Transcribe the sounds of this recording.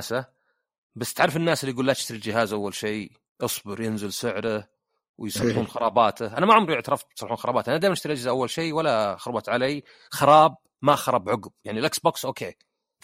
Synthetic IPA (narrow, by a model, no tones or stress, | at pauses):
sa | basːt̪ʕaɾːˤfɪnːaːsɪlːiɡuːlːat̪ɪ̥ʃt̪aɾild͡ʒɪɦaːzʔawːalʃiː | ʔɨsˤbɨɾjɪnzɪlsɪʕɾa | wɪjsˤɑlːħuːnxɑɾˤɑːbɑːt̪aʔanamaʕʊmɾˤʔɪʕt̪ɑɾˤɑft̪sˤɑlːħuːnxɑɾˤɑːbaːt̪ʔanad̪eːmnɪʃt̪aɾiʔad͡ʒɪzaʔawːalʃiːwalːaxʊɾˤbɑt̪ʕalaj | xɑɾˤɑːb̚ | maxɑɾˤɑbʕʊɡb̚jaʕnilʔaksboːksʔoːkʰeː